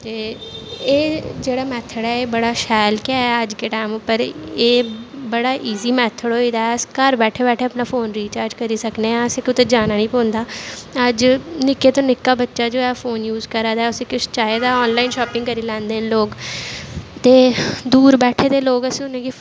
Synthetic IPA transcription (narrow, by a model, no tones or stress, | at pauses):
t̪eːeːd͡ʒeːɽaːmɛːt̪ʰːəɽɛːeːbəɽaːʃɛːlkɪaɛəd͡ʒkeːʈaːmpəɾeːbəɽaːʔiːziːmɛːt̪ʰːəɽɦoːiːd̪aːɛəskəɾbɛːʈʰeːbɛːʈʰeːəpnaːfʰoːnɾiːt͡ʃaːɾd͡ʒkəɾiːsəkneːɛ̃ːəsẽːkʊt̪eːd͡ʒaːnaːnĩːpõːnd̪aːəd͡ʒnɪkeːt̪õːnɪkːaːbətːʃaːd͡ʒoːɛːfʰoːnjuːzkəɾaːd̪aːɛːʊsẽːkɪt͡ʃt͡ʃaːeːd̪aːɔːnlaːinʃɔːpɪ̃ŋɡkəɾiːlɛ̃ːnd̪eːnloːɡ | t̪eːd̪uːɾbɛːʈʰeːd̪eːloːɡəsĩːʊnẽːɡi